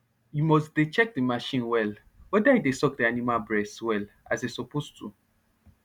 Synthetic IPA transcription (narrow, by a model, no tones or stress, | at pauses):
jimɔsdet͡ʃɛk̚dimaʃĩnwɛl | wɛdaidesɔkdianimalbɹɛswɛl | a̰zesɔpostu